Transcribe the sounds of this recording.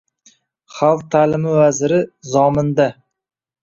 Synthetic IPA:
χalˠq̚t̪ʰaːlɪmɪvazɾɪzɒmɪnd̪a

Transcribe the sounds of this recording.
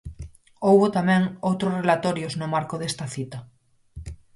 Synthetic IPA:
owβot̪amɛ̃ŋowt̪ɾʊsrelat̪ɔɾjoznʊmaɾkoðest̪ɐθit̪ɐ

